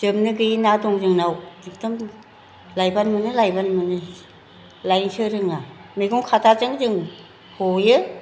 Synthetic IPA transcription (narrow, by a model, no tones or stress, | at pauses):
d͡ʒɯmnɯɡɯjinadɔŋzɯŋnawdik̚tɔm | lajbanmɯnɯlajbanmɯnɯ | lajŋsɯɾɯŋamiɡuŋkʰatʰazɯŋzɯŋ | hojɯ